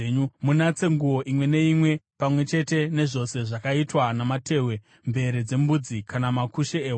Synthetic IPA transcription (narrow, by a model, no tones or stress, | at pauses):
umunat͡se̞ŋɡuwo̞ʔimwe̞ne̞imwe̞pamwe̞t͡ʃe̞te̞ne̞ʐo̞se̞ʐakaitwanamate̞ːwe̞ | mbe̞ɾed͡ze̞mbud͡zikʰanamakuʃeeːw